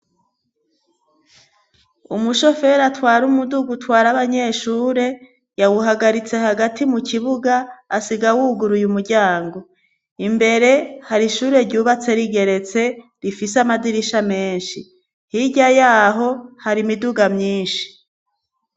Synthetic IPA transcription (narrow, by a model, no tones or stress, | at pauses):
umuʃo̞fe̞ɾatwaːɾumuduɡutwaːɾaβaɲe̞ʃuːɾe̞ | jawuɦaɡaɾit͡se̞ɦaɡatimukiβuɡaːsiɡawuɡuɾujumuɾɟaːŋɡo̞ | imbe̞ɾe̞haɾiʃuːɾe̞ɾɟuːβat͡se̞ɾiɡe̞ɾe̞t͡se̞ | ɾifisamadiɾiʃame̞ːnʃi | hiɟajaːɦo̞haɾimiduɡamɲiːnʃi̥